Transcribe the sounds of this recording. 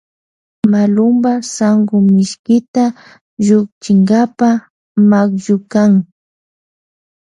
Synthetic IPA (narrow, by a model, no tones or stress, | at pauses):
malʊmbasaŋɡʊmɪʃkɪt̪a | ʒʊk̚t͡ʃɪŋɡapa | makʒʊkaŋ